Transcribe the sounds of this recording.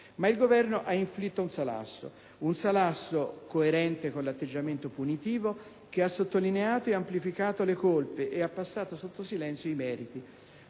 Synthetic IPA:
mailɡovɛrnoʔaiɱflit̪ːounsala̰sːo̰ | unsalasːokoeɾɛnt̪ekonlat̪ːed͡ʒːament̪opunit̪iːvo | keasːot̪ːolineaːt̪oeamplifikaːt̪olekolpeʔeapːasːaːt̪osot̪ːosilɛnt̪sjoimɛːɾit̪i

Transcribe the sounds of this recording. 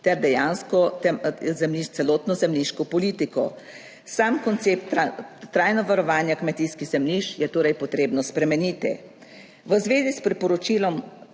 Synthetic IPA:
t̪ɛɾd̪ɛjaːnskɔɛzɛmliʃt̪sɛloːt̪nɔzɛmliʃkɔpɔliːt̪ikɔ | saːmkɔnt̪sep̚t̪ːɾaːjnɔʋaɾɔʋaːnjakmɛt̪iskiɣzɛmliʃjɛt̪oːɾɛjpɔt̪ɾeːbnɔspɾɛmɛniːt̪ɛ̰ | ʋəzʋeːzispɾipɔɾɔt͡ʃiːlɔm

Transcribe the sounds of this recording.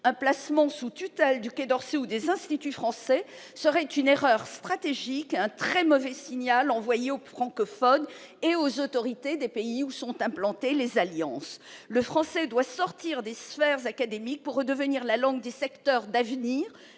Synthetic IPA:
ɛ̃plasmɑ̃sut̪yt̪ɛld̪yked̪ɔʁseud̪ezɛ̃st̪it̪yfχɑ̃sɛ | səʁɛt̪yneʁœʁst̪χat̪eʒikeɛ̃t̪χɛmɔvɛsiɲalɑ̃vwajeofχɑ̃kɔfɔn | eozot̪ɔʁit̪ed̪epeiusɔ̃t̪ɛ̃plɑ̃t̪elezaljɑ̃sləfχɑ̃sɛd̪wasɔʁt̪iʁd̪esfɛʁzakad̪emik̚puʁːəd̪əvəniʁlalɑ̃ɡd̪esɛkt̪œʁd̪avniːʁ

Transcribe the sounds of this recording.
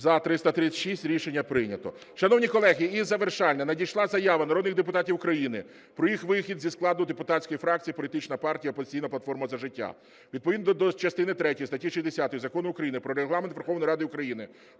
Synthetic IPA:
zɐt̪ɾɪst̪ɐt̪ɾɪt͡sʲɐʃisʲtʲɾʲiʃenʲːɐpɾɪnʲɐt̪ɔ | ʃɐnɔwnʲikɔlˠɛɦʲiizɐʋerʃɑlʲnɐnɐdʲijʃlˠɑzɐjaʋɐnɐɾɔd̪nɪɣd̪epʊt̪ɑtʲiwʊkɾɐjinɪ | pɾɔjixʋɪxʲid̪zʲisklˠɑd̪ʊd̪epʊt̪ɑt͡sʲsʲkɔjifɾɑk̚t͡sʲijɐpɔlʲit̪ɪt͡ʃnɐpɑrtʲijɐɔpɔzʲɪ̥t͡sʲijnɐplˠɐt̪fɔrmɐzɐʒɪtʲːa̰ | ʋʲid̪pɔʋid̪nd̪ɐd̪ɔt͡ʃɐst̪ɪnɪt̪ɾɛtʲɔjist̪ɐtʲːiʃisʲzʲd̪esʲat̪ɔjzɐkɔnʊʊkɾɐjinɪpɾɔɾeɦlˠɑment̪ʋerxɔwnɔjɾɑd̪ɪʊkɾɐjinɪ

